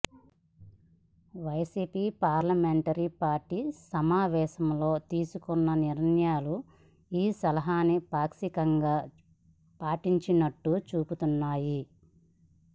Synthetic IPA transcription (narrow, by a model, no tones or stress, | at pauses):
ʋɐjsiːpiːpaːɾlɐmeɳʈɐɾipaːɾʈiːsɐmaːʋɛːʃɐmlo̞ːt̪iːsukɔnːɐniɾɐɳjaːlu | iːsɐlɐɦaːnipaːksikɐŋɡaː | paːʈiɲt͡ʃinɐʈːut͡ʃuːput̪unːaːji